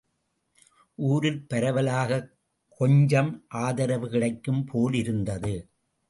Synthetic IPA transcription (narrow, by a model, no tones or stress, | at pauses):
ʔuːɾɪlpɐɾɐʋɐlaːɣɐ | kɔɲd͡ʒɐmʔaːðɐɾɐʋɯɣɐɭɐɪkːɯmpʰoːlɪɾɯnd̪ɐðɯ